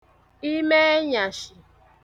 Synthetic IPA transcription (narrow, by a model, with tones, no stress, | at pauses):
i˦me˦e˦ɲa˨ʃɪ˨